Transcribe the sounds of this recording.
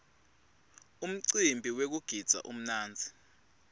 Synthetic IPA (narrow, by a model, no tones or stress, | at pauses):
um̩ǀimbʱiwek̬uɡ̥ʱid̥z̥ʱa̰ʔṵm̩naːnd͡zʱi